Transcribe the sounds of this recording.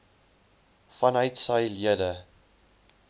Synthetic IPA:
fɐnœɥtsəjliədə

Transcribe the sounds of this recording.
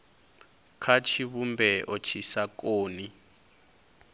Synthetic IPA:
kʰat͡ʃʰiβumbɛʔɔt͡ʃʰisakoːni

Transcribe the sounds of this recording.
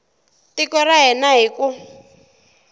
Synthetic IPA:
tikɔraɦɛnaɦiku

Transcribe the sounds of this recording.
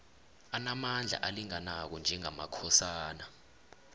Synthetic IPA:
anamand͡ɮʱa̰ʔaliŋanak̬ɔnd͡ʒʱɛŋamakʰɔsaːna

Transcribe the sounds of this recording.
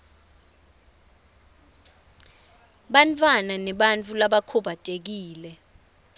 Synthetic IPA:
ɓant͡fʰʼwananɛɓant͡fʰʼulaɓakʰɔbʱatʼek̬iːlɛ

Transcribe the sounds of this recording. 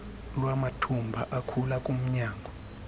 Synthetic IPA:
lwamatʰumbʱaʔakʰulakʼum̩ɲaːŋɡʱɔ

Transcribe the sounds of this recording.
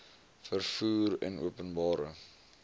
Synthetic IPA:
fərfuːrɛ̰nṵəpənbɑːɾə

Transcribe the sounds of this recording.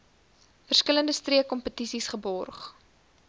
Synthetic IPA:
fərskələndəstriəkːɔmpətisisχəbɔrχ

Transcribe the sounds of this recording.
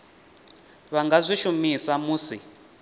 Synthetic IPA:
βaŋɡazʷiʃumisamuːsi

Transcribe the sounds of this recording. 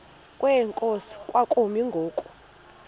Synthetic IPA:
kʼwɛŋkʼosi̥kʼwakʼumiŋɡʱoːkʼu

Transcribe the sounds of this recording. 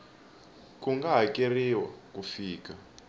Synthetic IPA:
kuŋɡaɦakʼeriwa̰kʼufiːka

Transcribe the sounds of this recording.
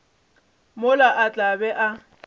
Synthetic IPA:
mʊlaʔat͡ɬʼabɛʔa

